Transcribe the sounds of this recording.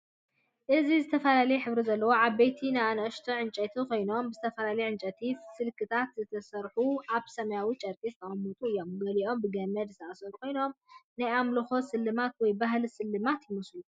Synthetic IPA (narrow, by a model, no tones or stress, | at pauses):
ʔɨzizɨt̪ʰɐfɐlalɐjɛħɨβɾizɐlːɐwo̞ʕaβbejt̪ʰinaanʔɐʃt̪ʰoʕɨnt͡ʃʼɐt̪ʰikʰo̞jnombɨzɨt̪ʰɐfɐlalɐjeʕɨnt͡ʃʼɐt̪ʰifsɨlkʰɨt̪ʰat̪zɨt̪ʰɐsɐɾħuʔaβsɐmɐjawit͡ʃʼɐɾkʼizɨt̪ʰɐʔʼɐmːɨt̪ʼuɨjːo̞mɡɐliʔo̞mbɨɡɐmːɐd̪zɨt̪ʰɐʔasɐɾukʰo̞jno̞mnajamlɐxo̞sɨlːɨmat̪wɔjbaɦlsɨlːɨmat̪jɪmɐslu